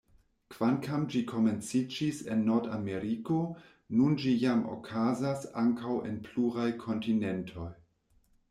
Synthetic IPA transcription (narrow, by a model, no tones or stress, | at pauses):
kv̥ankamd͡ʒikʰo̞me̞nt͡sid͡ʒise̞nːoɾda̰meɾiko̞ | nund͡ʒijamo̰kʰazasaŋkawe̞̰npluɾajkʰo̞ntine̞ntʰo̞j